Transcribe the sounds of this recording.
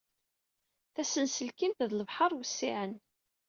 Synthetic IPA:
θæsənsəlkint̪ðləvħɑɾˤwəsːiʕən

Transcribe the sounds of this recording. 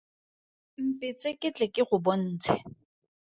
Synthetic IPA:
m̩pʼɪt͡sekʼɪt͡ɬʼɛkʼɪχʊbon̩ːt͡sʰɛ̰

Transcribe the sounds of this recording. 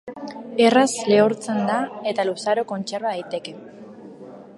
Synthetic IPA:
e̞rasle̞oɾt͡se̞nd̪ae̞t̪alusaɾo̞ko̞nt͡ʃe̞ɾβaðajt̪e̞ke̞

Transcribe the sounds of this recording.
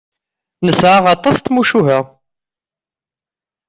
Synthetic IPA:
nəsʕaʁɑt̪ˤːɑst̪muʃuɦæ

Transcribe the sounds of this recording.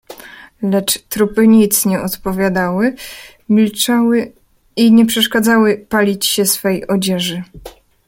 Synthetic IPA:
lɛt͡ʂt̪ɾupɘɲit̪sɲɛʔɔt̪pɔvʲjad̪awɘ | mʲilt͡ʂawɘ | iɲɛpʂɛʂkad̪zawɘpalʲit͡ɕɕɛsfɛjɔd͡ʑɛʐɘ

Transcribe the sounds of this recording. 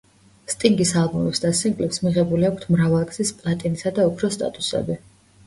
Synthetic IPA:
st̪ʼiŋɡisalˠbumɛpsd̪asiŋɡʼlɛpsmiʁɛbuliakʷʰt̪ʰmɾavalˠɡz̥ispʼlˠat̪ʼinisad̪aupʰɾɔst̪ʼa̰t̪ʼusɛ̰bi

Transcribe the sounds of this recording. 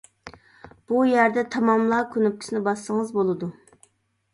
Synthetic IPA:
b̥ujæɾd̪ɛt̪ʰɑmɑmlˠɑːkʲʰønyp̚kʲʰi̥sɪnɪbɑsːəŋɨzbolˠɨd̪u

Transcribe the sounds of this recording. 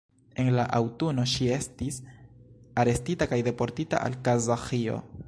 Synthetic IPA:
e̞nlaʔawtuno̞ʃie̞stis | aɾe̞stitakajde̞po̞ɾtita̰ʔa̰lkazaxio̞̰

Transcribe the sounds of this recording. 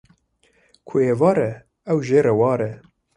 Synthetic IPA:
kʰʊheːvɑːɾɛ | ɛwʒeːɾɛwɑːɾɛ

